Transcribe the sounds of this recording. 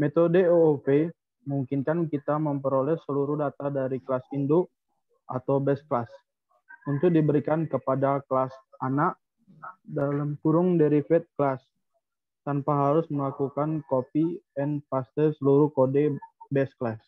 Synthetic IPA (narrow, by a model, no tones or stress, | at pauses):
met̪odəoope | muŋkɪnkankit̪aməmpəɾolɛsəluɾʊdat̪adaɾiklasindo | ʔa̰t̪awbɛs̚klas | unt̪ʊk̚dibəɾikankəpadaklasʔanaʔ | dalamkuɾʊŋdɛɾifɛt̪̚klas | t̪anpaɦaɾʊsməlakukankopiɛnpast̪asəluɾʊhkodɛbɛsklas